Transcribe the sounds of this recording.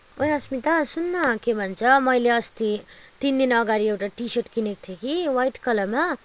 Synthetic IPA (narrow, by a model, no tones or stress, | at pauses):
ojʌsmit̪asunːʌkebʱʌnt͡sʰʌmʌjleʌst̪it̪ind̪inʌɡaɾiewʈaʈiseʈkinek̚t̪ʰjekiwajʈkʌlʌma